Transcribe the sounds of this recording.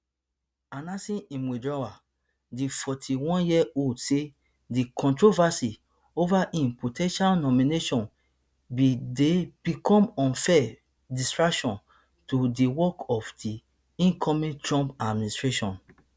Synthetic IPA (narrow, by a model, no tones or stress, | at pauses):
anasĩĩmwidɹawa | difɔtʰiwɔ̃njiɛodse | dikʰɔ̃ntɹovasi | ovaʔĩmpotʰɛ̃nʃalnɔmineʃɔ̃n | bideb̥ikʰɔ̃mɔ̃nfɛ | distɹaʃɔ̃n | todiwɔkɔfdi | ĩnkʰɔmĩtɹɔ̃mpadministɹeʃɔ̃n